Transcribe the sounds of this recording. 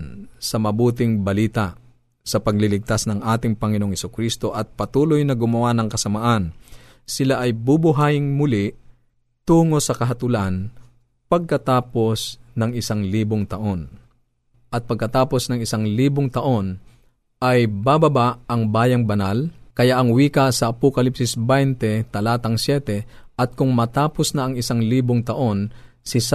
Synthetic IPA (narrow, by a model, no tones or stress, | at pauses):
nsɐmɐbuːt̪ɪŋbɐliːt̪aʔ | sɐpɐɡ̚lɪlɪɡ̚t̪asnɐŋʔaːt̪ɪŋpɐŋɪnooŋhɛsʊkɾist̪o̞ʔɐt̪̚pɐt̪uːlojnɐɡʊmɐwanɐŋkɐsɐmaʔan | sɪlaʔɐjbʊbʊɦaːjɪŋmʊlɪʔ | t̪uːŋo̞sɐkɐɦɐt̪ʊlan | pɐɡ̚kɐt̪aːpo̞snɐŋɪsaŋliːboŋt̪ɐʔo̞n | ʔɐt̪̚pɐɡ̚kɐt̪aːpo̞snɐŋɪsaŋliːbʊŋt̪ɐʔo̞n | ʔɐjbabɐbaʔɐŋbaːjɐŋbɐnalkɐjaʔɐŋwiːkɐsɐʔːpokɐlipsɪsbajnt̪ɛt̪ɐlaːt̪ɐŋsjɛːt̪ɛʔɐt̪̚kʊŋmɐt̪aːposnɐɐŋɪsaŋliːboŋt̪ɐʔo̞n | sɪs